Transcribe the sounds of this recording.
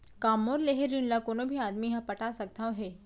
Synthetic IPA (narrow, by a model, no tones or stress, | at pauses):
kaːmoɾleɦeɾinlakonobʱiaːd̪miɦãpəʈasəɡ̚t̪ʰãʋɦe